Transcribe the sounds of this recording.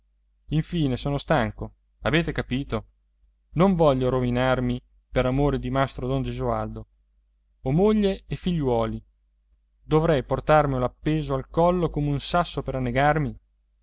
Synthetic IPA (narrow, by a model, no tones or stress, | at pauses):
iɱfiːnesoːnost̪aŋko | aveːt̪ekapiːt̪o | noɱvɔʎːoɾovinarmi | peɾamoːɾed̪imast̪ɾod̪ond͡ʒezuald̪oː | moʎːeːfiʎːwɔːli | d̪ovɾɛjport̪armiulapːeːzoalkɔlːokoːmeunsasːopeɾanːeɡarmi